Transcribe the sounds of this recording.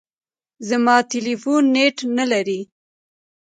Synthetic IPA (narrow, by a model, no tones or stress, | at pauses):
zamɑt̪elifunːeʈnalaɾi